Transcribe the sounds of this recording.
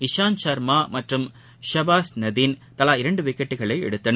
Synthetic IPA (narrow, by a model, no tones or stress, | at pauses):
ɪʃaːnt͡ʃɐɾmaːmɐʈrɯm | ʃɐbaːsnɐðiːnt̪ɐlaːɪɾɐɳɖɯʋɪkːɐʈːɯɣɐɭɐɪɛ̰ɽɯt̪ːɐnɐ